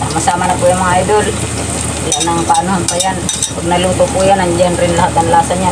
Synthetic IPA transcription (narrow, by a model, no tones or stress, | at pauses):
t̪amasamanapujamaidul | lanaŋpanuampajan | puɡnailuŋpopujanaɲd͡ʒanrinlaɦat̪̚anlasaɲa